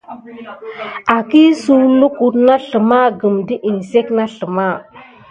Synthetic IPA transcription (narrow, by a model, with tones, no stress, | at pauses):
a˨ki˦su˦lu˦ku˨ɾna˦ɬə˨ma˦ɡə˨mdi˦ʔi˨n˨se˦kna˦ɬə˨ma˦˨